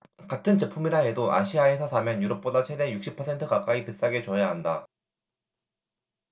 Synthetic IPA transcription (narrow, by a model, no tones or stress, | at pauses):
katʰɯnt͡ɕe̞pʰumiɾaɦe̞doʔa̰ɕʰiae̞sʰʌsʰamjʌnjuɾʌp̚p͈odat͡ɕʰede̞jukɕ͈ipʰʌsʰe̞ntʰɯkak͈aipes͈aɡe̞t͡ɕʌjaɦanda